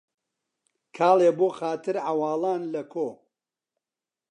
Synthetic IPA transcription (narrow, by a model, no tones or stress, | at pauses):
kʰaːlˠeːboːxaːt̪ʰɨɾʕawɑːlˠaːnlɐkʰoː